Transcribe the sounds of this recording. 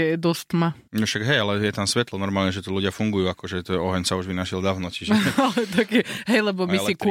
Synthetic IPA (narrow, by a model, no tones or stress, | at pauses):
ɛd̪ɔst̪ma | nɔʃaɡɦɛjalɛjɛt̪amsʋɛt̪lɔnɔɾmaːlɲɛʒɛt̪ɔluɟɪafuŋɡujuːakɔʒɛt̪ɔɛɔɦɛɲsauʒʋinaʃild̪aːʊnɔciʒɛalɛt̪akɛɦɛjlɛbɔmisiku